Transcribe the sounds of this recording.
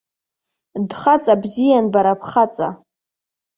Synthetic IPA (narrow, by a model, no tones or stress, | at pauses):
dχat͡sʼabzijanbaɾapʰχat͡sʼa